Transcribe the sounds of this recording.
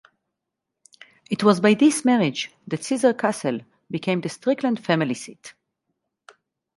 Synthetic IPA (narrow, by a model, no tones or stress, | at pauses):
itwɔzbajðismɛɹɪd͡ʒ | ðætsizə˞kʰasɛl | bikʰẽɪ̃md̪əstɹɪklə̃ndfæmilisit